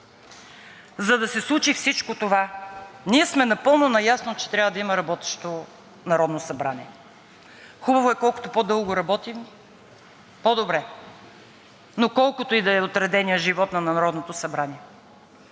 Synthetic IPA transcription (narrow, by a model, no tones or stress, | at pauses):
zɐd̪ɐsɛslˠut͡ʃifsit͡ʃkot̪ovaniɛsmɛnɐpɤlˠnonɐjasnot͡ʃɛ̥t̪ɾʲavəd̪ɐimɐɾɐbɔt̪ɛ̥ʃt̪o | nɐɾɔd̪nosɐbɾanʲiɛ | xubɐvoɛkɔlˠko̥t̪opod̪ɤlˠɡoɾɐbɔt̪im | pod̪obɾɛ | nokɔlˠkʊt̪oid̪ɐɛot̪ɾɛd̪ɛniəʒivɔt̪nɐnɐɾɔd̪not̪osɐbɾaniɛ